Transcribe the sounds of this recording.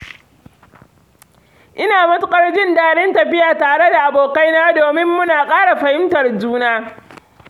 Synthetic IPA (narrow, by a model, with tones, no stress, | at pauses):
ʔɪ˦naː˨mɐ˦tʊ˦kʼɐ˦rd͡ʒɪ˦ndaː˦ɽɛ˦ntɐ˨ɸɪ˦jaː˨taː˨ɽe˦da˨ʔa˨boː˨ka˦jnaː˦doː˨mɪ˦mːʊ˦naː˨kʼaː˦ɽa˨ɸɐ˨hɪ˦mtɐ˨rd͡ʒuː˦naː˦